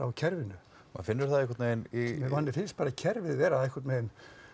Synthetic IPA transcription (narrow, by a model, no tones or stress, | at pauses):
a̰wcʰɛɾvɪnːʏ | ma̰ðfɪnːʏɾ̥θaðihk̬vaɾt̪neːnimɛvanːɪfɪnst̪̚paːɾacʰɛɾvɪðvɛːɾaðɛhkʰvaɾt̪nmen